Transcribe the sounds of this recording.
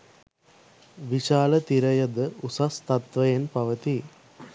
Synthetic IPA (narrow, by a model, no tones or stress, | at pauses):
ʋiʃaːlət̪iɾɐjɐd̪əʔusɐst̪ɐt̪ʋɐjenpɐʋət̪i